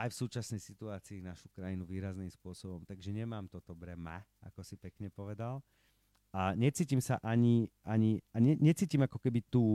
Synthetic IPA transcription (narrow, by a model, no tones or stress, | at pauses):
ajfsuːt͡ʃasnɛjsit̪uaːt͡siːnaʃu̥kɾajinuʋiːɾaznimspʊɔsɔbɔmt̪aɡʒɛɲɛmaːmt̪ɔt̪ɔbɾɛma̰ | a̰kɔsipɛkɲɛpɔʋɛd̪al | aɲɛt͡siːcimsaʔaɲiʔaɲiaɲɛɲɛt͡siːcimakɔkɛbit̪uː